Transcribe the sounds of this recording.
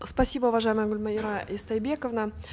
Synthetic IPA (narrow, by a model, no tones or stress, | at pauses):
spɐsʲibəʊvɐʐajməjəɡʊlʲmɐɪɾaʔɪst̪ɐjbʲekəvnə